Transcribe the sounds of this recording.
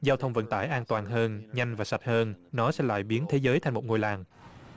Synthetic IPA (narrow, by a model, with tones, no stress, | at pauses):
zaː˧wt̪ʰə˧wŋ͡mvə̰˧˨˥nt̪a̰ː˧˩jʔaː˧nt̪waː˨˩nɦəː˧nɲa˧jŋ̟vaː˨˩sa˨˩t̚həː˧nnɔ˨˦sɛ̰˧˥la̰ː˧˨jɓi˨˦ənt̪ʰe˨˦zəː˨˦jt̪ʰa˧jŋmo˨˩t̚ŋo˧jlaː˨˩ŋ